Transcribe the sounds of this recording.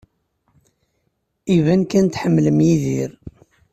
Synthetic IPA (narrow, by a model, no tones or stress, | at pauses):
ivænkænt̪ħəmːləmjiðiɾ